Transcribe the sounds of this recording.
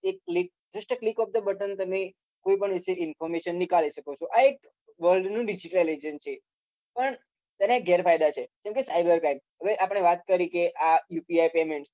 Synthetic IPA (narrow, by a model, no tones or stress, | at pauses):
ekːlik̚d͡ʒəsʈəklikɔp̚d̪əbəʈənt̪əme | koipəɳʋiʃeɪnfɔɾmeʃənːikaliʃəkot͡ʃʰoʔaek | ʋəlɖnũɖid͡ʒiʈəlled͡ʒənt͡ʃʰe | pəɳ | t̪ɛneɡʱɛɾfajd̪at͡ʃʰed͡ʒɛmkesajbəɾkɾaimɦəʋeʔapəɽ̃eʋat̪̚kəɾikeʔajupiajpemeɳʈs